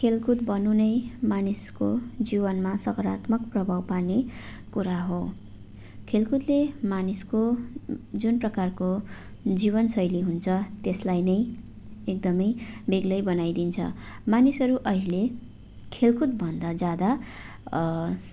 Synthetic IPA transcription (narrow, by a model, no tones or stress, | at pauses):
kʰelkʰut̪bʌnunʌjmaniskod͡zibʌnmasʌkʌɾat̪mʌkprʌbʱawparne | kuɾaɦo | kʰelkut̪lemanisko | d͡zunprʌkarko | d͡ziβʌnsʌjliɦunt͡sʰʌt̪eslajnʌj | ek̚d̪ʌmʌjbeɡlʌjbʌnajd̪int͡sʰʌ̰ | manisʌɾuʔʌɦile | kʰelkʰut̪̚bʱʌnd̪ad͡zjad̪a